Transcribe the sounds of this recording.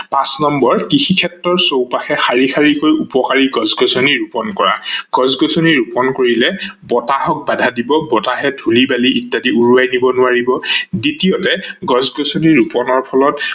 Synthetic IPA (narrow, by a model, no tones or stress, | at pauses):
pãsnɔmbɔɹkixikʰɛtɹɔɹsowpaxɛxaɹixʰaɹikojupɔkaɹiɡɔzɡɔsɔniɹupɔnkɔɹa̰ɡ̥ɔzɡɔsoniɹupɔnkoɹilɛbɔtaɦɔk̚badʱadibɔbɔtaɦɛdʱulibaliʔitːadiuɹuajnibɔnʊaɹibɔditiotɛɡɔzɡɔsɔniɹupɔnɔɹpʰɔlɔt